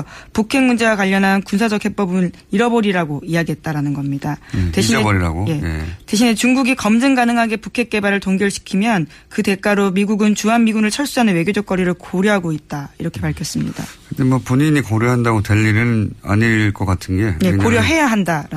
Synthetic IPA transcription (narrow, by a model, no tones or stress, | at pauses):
pukʰe̞ŋmund͡ʑe̞wakwaʎːʌnɦankunsʰad͡ʑʌk̚hʰe̞p͈ʌbɯn | iɾʌboɾiɾaɡoiaɡiɦe̞t̚t͈aɾanɯnɡʌmɲidateɕieoɾiɾa̰ɡoj̞jete̞ɕʰinet͡ɕuŋɡuɡikʌmd͡ʑɯŋɡanɯŋɦaɡe̞pukʰe̞k̚k͈e̞baɾɯɭtoŋɡiɯɭɕʰi̥kʰimjʌn | kɯte̞k͈aɾomiɡuɡɯnt͡ɕuɦanmiɡunɯɭt͡ɕʰʌɭs͈uɦanɯnwe̞ɡjod͡ʑʌk̚k͈ʌɾiɾɯɭkoɾjʌɦaɡoit̚t͈aiɾʌkʰe̞paɭkʰjʌs͈ɯmɲḭda̰kɯdemwʌpuɲiɲikoɾjoɦandaɡotwe̞ʎːiɾɯna̰ɲiɭk͈ʌk͈atʰɯnɡe̞je̞koɾjʌɦe̞jaɦandaɾa